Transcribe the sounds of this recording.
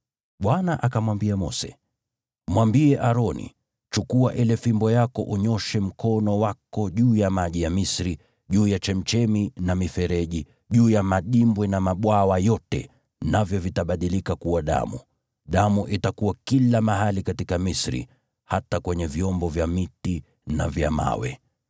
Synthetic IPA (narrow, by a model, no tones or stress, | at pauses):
ɓwanaʔakamwambiamɔ̰sɛ̥̰ | mwambiɛʔaɾɔnḭ | t͡ʃukuaʔilɛfimbɔjakɔ̰ʔuɲɔʃɛm̩kɔnɔwakɔʄuːjamaʄijamisɾi | ʄuːjat͡ʃɛm̩t͡ʃɛminamifɛɾɛʄi | ʄuːjamaɗimbwɛnamaɓwawajɔtɛ̰ | navjɔvitaɓaɗilikakuwaɗa̰mu | ɗamuʔitakuwakilamaɦalikatikamisɾḭ | hatakwɛɲɛviɔmbɔvjamiti | na̰vjama̰wɛ̰